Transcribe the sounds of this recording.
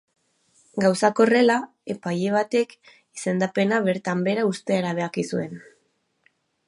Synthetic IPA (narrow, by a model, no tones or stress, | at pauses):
ɡawsako̞re̞la | e̞paje̞β̞at̪e̞k | ise̞nd̪ape̞naβe̞ɾt̪ambe̞ɾaust̪e̞aɾaβ̞e̞akisue̞n